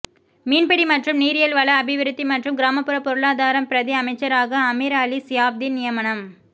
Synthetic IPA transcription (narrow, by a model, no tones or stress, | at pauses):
miːnbɛɽimɐʈrɯmniːɾɪjɐlʋɐɭɐːbɪʋɪɾɯt̪ːimɐʈrɯmɡɪɾaːmɐpːɯɾɐpːɔɾɯɭaːðaːɾɐmpɪɾɐðiɐmɐɪt͡ʃːɐɾaːɣɐːmiɾaːlisɪjaːb̚d̪inɪjɐmɐɳɐm